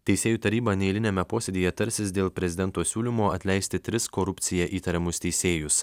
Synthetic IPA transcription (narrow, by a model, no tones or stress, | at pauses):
t̪ʲɛɪsʲeːjuːt̪ɐɾʲiːbɐnʲɛɪlʲɪnʲɛːmʲɛpoːsʲed̪ʲiːjɛt̪ɐɾʲsʲɪsd̪ʲeːlˠpʲɾʲɛzʲɪd̪ʲɛnt̪oːsʲuːlʲimoːɐt̪ʲlʲɛɪsʲt̪ʲɪt̪ʲɾʲɪskoːɾʊpʲt̪sʲɪjɛʔiːt̪ɐɾʲɛmʊst̪ʲɛɪsʲeːjʊs